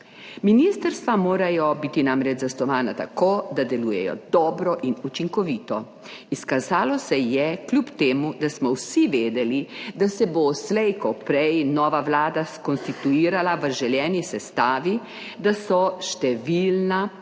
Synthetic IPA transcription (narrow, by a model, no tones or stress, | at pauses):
minist̪əɾst̪ʋamoːɾajɔbiːt̪inamɾɛd͡ʒzast̪ɔʋaːnat̪a̰koːd̪ad̪ɛluːjɛ̰jɔ̰d̪ɔːbɾɔʔinut͡ʃiŋkɔʋiːt̪ɔ | iskazaːlɔsɛjɛklʲupt̪eːmud̪asmɔwsiʋeːd̪ɛlid̪asɛboslɛjkɔpɾɛjnɔːʋaʋlaːd̪askɔnst̪it̪uiːɾalaʋəʒɛljɛːnisɛst̪aːʋi | d̪asɔʃt̪ɛʋilna